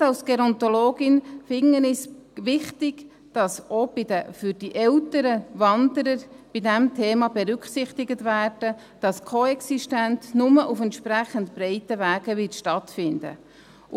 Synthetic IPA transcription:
ɑlsɡ̥ɛɾɔnt̪oloːɡɪnfɪŋənɪsʋɪχtɪɡ̥ | d̥ɑsob̥idəfyɾd̥iʔɛltəɾəvɑnd̪əɾəɾb̥idɛmtʰeːmɑbɛɾʏkχsɪχtɪɡətvæːrd̥ə | d̥ɑskʰoɛksiʃtæntnʊməʔufɛnt̪ʃpɾæχəntbɾɛɪtəvæːɡ̥əʋɪtʃtɑtfɪndə̰

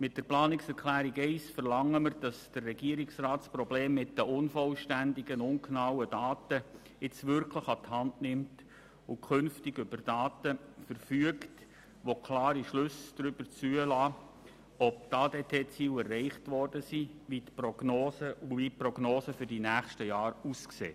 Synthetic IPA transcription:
mɪt̚d̥əɾplɑːnɪksɛɾkʰlæːɾiɡɛɪsfərlɑŋːəmərd̥ɑsd̥ərːɛɡ̥iəɾɪksrɑːtsprɔbleːmːɪtdəʊnfɔlʃtændɪɡənʊŋknɑwədɑːtə | ɪt͡sʋʏrkʰləχɑt̪hɑndnɪmt | ʊkʰʏnftɪɡʏbərd̥ɑːtəfəɾfyəkt | ʋokʰlɑːɾiʃlʏsd̥ɾʏb̥əɾt͡syəlɑː | ɔp̚tɑdetʰeːt͡siːlɛrːɛɪχtʋɔrd̥əsiʋitprɔɡ̥noːsəʋiprɔɡ̥noːsəfʏɾd̥inæːχʃtəjɑːɾusksḛː

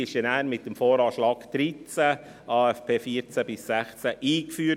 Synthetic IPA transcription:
ɪʃənæːnmɪt̚dəmfoːɾɑːʃlɑːkd̥ɾit͡sæ | ɑːɛfpʰeːfiəɾt͡sæbɪsːæχt͡sæʔiːkfyː

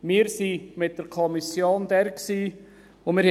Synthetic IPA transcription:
mɪːɾsimɪt̚d̥əɾkʰɔmisjoːndɛɾksiː | omɪːɾh

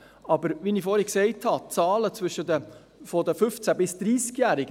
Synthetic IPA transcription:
ɑbəɾʋiniːfoːɾhɛksɛɪthɑt͡sɑːlət͡svʏʃədə | fɔd̪əfʏft͡sæbɪsd̥̪ɾiːskjæːɾɪɡə

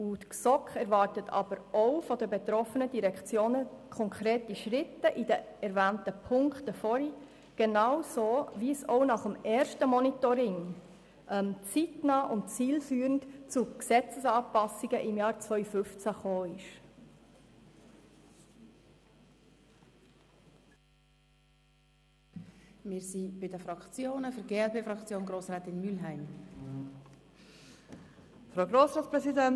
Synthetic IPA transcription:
ut̪ksɔkχɛɾvɑɾtətʰɑ̰b̥əɾʔoʊfɔd̪əbet̪ɾɔfənədiɾɛkt͡sjoːnəkʰɔŋkʰɾeːtiʃɾɪt̪ːəʔidəɛɾvæːntəpʰʊŋkχtəfɔɾi | ɡ̥enɑwsoːviəsoʊnɑχəmɛːɾʃtəmɔnitɔɾɪŋ | ʔɛmt͡sitnɑːʔʊntt͡siːlfyːɾən̩tt͡suksɛt͡səsɑːpɑsiɡ̥əʔɪmjɑːɾt͡svœʏfʏft͡sæχoːɪʃ | mɪːɾsib̥ɪdəfɾɑkt͡sjoːnəfʏɾɡeːɛlpeːfɾɑkt͡sjoːnɡɾoːsɾɛːt̪ɪnmylɦæɪm | fɾaoɡɾoːsɾɑːt͡spɾɛsidɛn

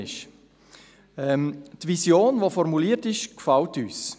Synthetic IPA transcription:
ɪʃ | ɛmtvisjoːnvofɔɾmuliːətɪʃkfaltyːs

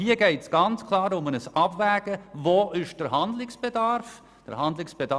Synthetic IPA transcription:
hiəɡɛɪtsɡ̥ɑnt͡skʰlˠɑːɾʊmənəsɑbvæːɡ̥əvoːʔɪʃd̥əɾɦɑndlɪksb̥edɑɾf | d̥ə̰ɾhɑndlɪksb̥edɑ

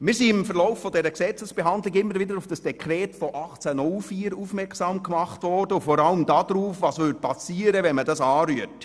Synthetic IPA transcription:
mɪːsiːɪmfəɾlɔʊfːɔdɛɾəksɛt͡səsb̥eɦɑndlɪɡɪmːəɾvɪdəɾufd̥ɑsd̥ɛkʰɾɛːtfɔʔɑχt͡sænʊlfiːɾuːfmɛɾksɑːmkmɑχtvɔrd̥əʊfɔɾɑləmdɑːd̥ɾuːfvɑːsʋʏt̚pɑsiːəɾəvɛnmədɑsɑːɾyət

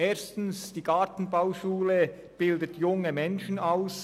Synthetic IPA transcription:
eːstn̩sd̥iːɡ̥ɑtn̩baʊʃuːlə | b̥ɪldətʰjʊŋəmɛnʃn̩aʊs

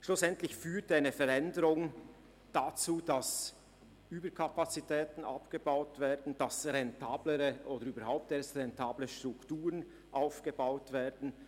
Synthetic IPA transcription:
ʃlʊsɛntlɪçfyːtaɪnəfɛɾɛndəʁʊŋ | d̥at͡suːd̥as | ʔyːbəkʰapat͡sitʰɛːtn̩ʔa̰pɡ̥əbaʊtveːɐdn̩d̥asʁɛntʰaːbləʁəʔoːdəɾyːbəɾhaʊp̚teːɐstʁɛntʰaːbləʃtʁ̥ʊktuːʁən | ʔaʊfɡ̥əbaʊtv̥eːɐdn̩

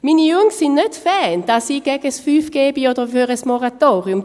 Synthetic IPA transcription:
minəʉŋsinœt̪fɛːnd̪̥asiɡɛɡəsfyːfɡ̥eːbiɔd̪əvøːʁəsmɔʁat̪oːɾɪʉm

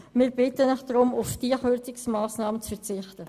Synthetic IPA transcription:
mɪːɾb̥ɪtənɪχd̥ɾʊmʊfd̥iəχøt͡sɪksmaːsnɑːmət͡sfɛɾt͡sɪχtə

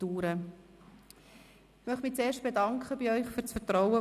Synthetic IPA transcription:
tuːɾə | ɪmœχmɪt͡seːʃt̚b̥edɑŋkχəbiœʏχfyɾt͡sfətɾɔwə

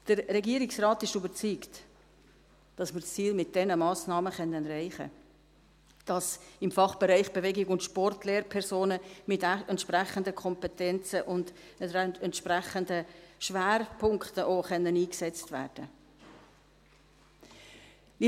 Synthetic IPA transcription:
d̥əɾːɛɡiəɾɪksrɑːtɪʃybəɾt͡syːkt | d̥ɑsməɾst͡siːlmɪt̚d̥ɛnəmɑːsnɑːməχɛnənɾaɪχə̰ | d̥ɑsɪmfɑχb̥eɾaɪχb̥evɛɡɪɡʊntʃpɔrtlɛːɾpʰɛɾsoːnəmɪtɛntʃpɾɛχəndəkʰɔmpɛtɛnt͡səʔʊnd̥ | ɛntʃpɾɛχəndəʃʋæːɾpʰʊŋkχtəʔoːχœnːəniːksɛt͡stvæ̰ːɾd̥ə | i

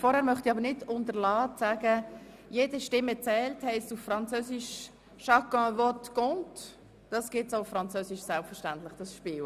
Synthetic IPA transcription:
fɔɾhɛːɾmœχtiɑbəɾnɪdʊntəɾlɑːsaːɡə | jeːdəʃtɪmːət͡sɛːlthɛɪstuffɾɑnt͡søːsiʃ | ʃɑkɔ̃vɔtkʊnt | d̥ɑsɡ̥ɪtsoʊfɾɑnt͡søːsɪʃsɛlpfəɾʃtæntlɪχd̥ɑsʃpɪːl

